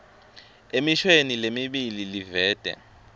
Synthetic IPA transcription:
emiʃwenilemiɓililivɛːd̥ʱɛ̰

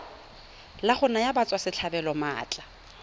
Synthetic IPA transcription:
laχʊnajabat͡sʼwasɪt͡ɬʰabɛlɔma̰ːt͡ɬʼa

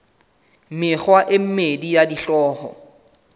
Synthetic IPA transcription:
mɪχwaʔɪm̩medijadiɬɔːhɔ̰

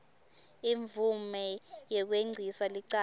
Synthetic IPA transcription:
iɱvʱumɛjɛk̬weŋ͡ǀʱisaliǀa

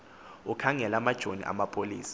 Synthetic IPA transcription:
ukʰaŋɛlamad̥ʒ̥ʱonḭʔa̰mapʰʼoliːsḁ

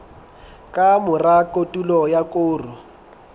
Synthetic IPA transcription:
kʼamʊrakʼotʼulɔjakʼʊːrʊ

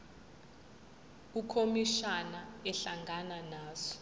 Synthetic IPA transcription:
ukʰomiʃanaɛɬaŋɡananaːzɔ̥

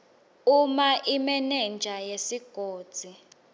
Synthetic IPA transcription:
umaʔimɛnɛnd͡ʒʱajesiɡ̥ʱoːd̥z̥ʱi

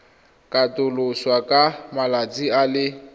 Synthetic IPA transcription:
kʼatʼʊlʊswakʼamalat͡sʼialɪ

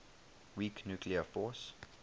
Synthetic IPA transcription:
wiːknjuːkʰliəfɔs

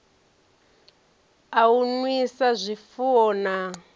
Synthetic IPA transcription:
aunwisazʷifuɔna

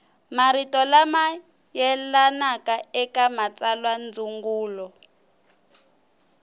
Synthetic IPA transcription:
maɾitɔlama | jɛlanakaɛkamat͡salwand͡zuŋɡuːlɔ

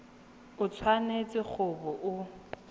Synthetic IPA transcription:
ʊt͡sʰwanet͡sʼɪk͡xʰʊbɔʔʊ

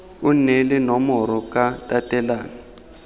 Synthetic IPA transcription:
ʊn̩nɛlɪnɔmɔɾɔkatʼatʼɛlaːnɔ

